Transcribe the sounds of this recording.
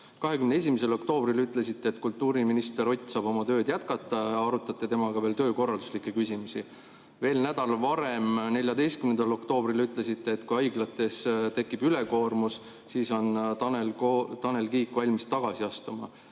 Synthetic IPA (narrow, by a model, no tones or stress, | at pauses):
kɑɦe̞kymnee̞s̬ʲimise̞lo̞kt̪o̞ːbrilyt̪ːˑle̞sit̪ːe̞ːt̪kult̪ːuːɾiminist̪eɾo̞t̪ʲːsɑːb̥o̞mɑt̪ø̞ːd̪̥jæt̪kɑt̪ːˑɑɑɑɾut̪ːˑɑt̪ːˑet̪e̞mɑɡ̥ɑve̞ːlt̪øːko̞rˑɑld̪uslikːˑekysimusi | ve̞ːlnæd̪ɑlvɑɾe̞mne̞lʲjɑd̪e̞jst̪kymnend̪ɑlo̞kt̪o̞ːb̥rilyt̪ːˑle̞sit̪ːe̞ːt̪kujɑjɡlɑt̪ːˑe̞st̪e̞kːˑib̥yle̞ko̞ːrmus | siːso̞nɑnelt̪ɑne̞lkiːkːvɑlʲmist̪ɑɡ̥ɑsiɑst̪umɑ̰